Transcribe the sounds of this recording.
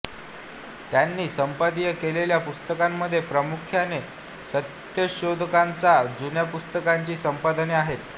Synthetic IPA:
t̪janːiːsəmpəd̪ijəkeleljapust̪əkamːəd̪ʱːjepɾəmukʰjane | sət̪ | jəɕod̪ʱəkant͡sad͡zunjapust̪əkaɲt͡ɕiːsəmpad̪neaɦet̪

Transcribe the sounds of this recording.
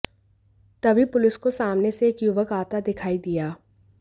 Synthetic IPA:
t̪ɐbʱipʊlɪskosaːmneseːkjʊʋəkaːt̪ad̪ɪkʰaːid̪ijaː

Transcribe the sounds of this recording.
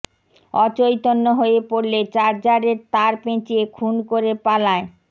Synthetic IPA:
ɔt͡ɕojt̪onːoɦoepoɾlet͡ɕaɾd͡ʑaɾeɾt̪aɾpẽt͡ɕiekʰunkoɾepalae

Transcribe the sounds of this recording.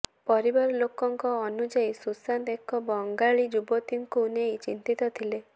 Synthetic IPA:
pɔɾibɔɾɔlokɔŋkɔːnud͡ʒaisusant̪ekɔbɔŋɡaɭid͡ʒubɔt̪iŋkuːnejt͡ʃint̪it̪ɔt̪ʰile

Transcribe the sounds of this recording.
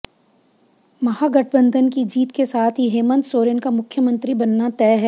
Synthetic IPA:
mɐhaːɡɐʈ̚ʰbə̃nd̪ʱənkid͡ʒiːt̪kesaːt̪ʰɦiɦeːmə̃nt̪soːɾənkamʊkʰːjəmə̃nt̪ɾibɐnːat̪ɛːɦɛː

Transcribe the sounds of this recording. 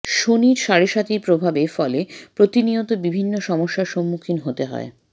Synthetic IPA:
ʃoniɾʃaɾeʃat̪iɾpɾobʱabefɔlepɾot̪iniot̪obibʱinːoʃɔmoʃːaɾʃomːukʰinɦot̪eɦɔ̰e

